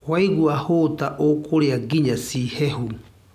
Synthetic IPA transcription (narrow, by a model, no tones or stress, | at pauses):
waiɣwahotaʔokʰoɾeaɡiɲasihɛhu